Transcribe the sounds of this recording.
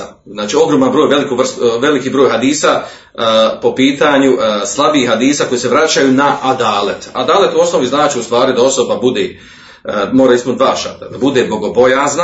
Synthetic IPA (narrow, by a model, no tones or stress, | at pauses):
znaːt͡ʃio̞ɡɾoːmanbɾoːjʋe̞likuʋr̩st̪ʋe̞likiːbɾoːjɦad̪iːsa | po̞piːt̪aɲuslˠabiːhad̪iːsako̞jiːse̞ʋɾat͡ɕajunaʔad̪aːlet̪a̰d̪aːlet̪uo̞sno̞ʋiznaːt͡ʃiust̪ʋaːɾid̪ao̞so̞babud̪eː | moːɾaispunt̪d̪vaːʃat̪a̰d̪abud̪eːbo̞ɡo̞bo̞jaːzna